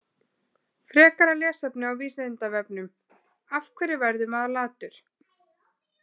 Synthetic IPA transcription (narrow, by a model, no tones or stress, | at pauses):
fɾɛːkaɾalɛːsɛpnʏawviːsnt̪avɛpnʏm | afkʰvɛɾɪvɛɾðʏmaðalaːt̪ʏɾ̥